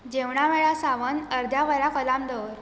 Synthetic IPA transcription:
d͡ʑeʋɳaʋeɭasaʋənəɾd̪ʱjaʋəɾakəlamd̪əʋɾ

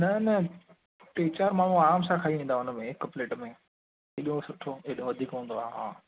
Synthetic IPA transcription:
nɐnɐ | ʈeːt͡ɕaːɾmaːɳ̤ũaːmsãkʰaːiʋĩːnd̪aʊnəmẽɪkpleːʈmẽ | ɪɗiõsʊʈʰoeɗõʋɐd̪ʱiːkɦũːnd̪oaːɦaː

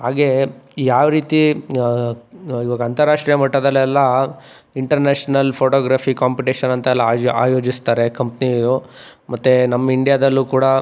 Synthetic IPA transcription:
ɦaːɡejaːʋɾiːt̪i | iʋaːɡɐnt̪ɐɾaːʂʈɾijɐmɐʈːɐd̪ɐlːɛlːɐ | iɳʈɐɾneːʂnɐlpʰoːʈoːɡɾaːpʰikaːmpiʈiːʂɐnɐnt̪ɐɛlːɐaːjoːd͡ʒist̪aːɾekɐmpnid̪u | mɐt̪ːenɐmːɐiɳɖijaːd̪ɐlːuːkuːɽɐ

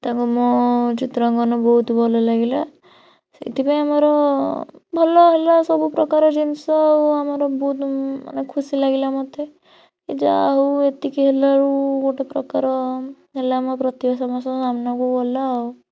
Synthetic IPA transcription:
t̪akumɔt͡ʃit̪ɾɔŋɡɔnɔbɔɦut̪bʱɔlɔlaɡila | sḛt̪ʰipaĩamaɾɔ | bʱɔlɔɦelasɔbupɾɔkaɾɔd͡ʒinsɔuamaɾɔbɔut̪ma̰nekʰusilaɡilamɔt̪e | kid͡ʒaɦoet̪ikiɦelaɾukoʈepɾɔkaɾɔ | ɦelamɔpɾɔt̪ibasamasɔ̃samnakubɔlau

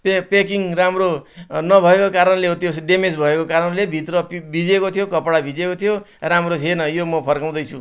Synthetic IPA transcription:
pepekiŋramronʌbʱʌekokaɾʌnleɦot̪josɖemed͡zbʱʌekokaɾʌnlebʱit̪rʌpbʱid͡zekot̪ʰijokʌpɽabʱid͡zekot̪ʰjo | ramrot̪ʰjenʌjomʌpʰʌrkaw̃d̪ʌjt͡sʰu

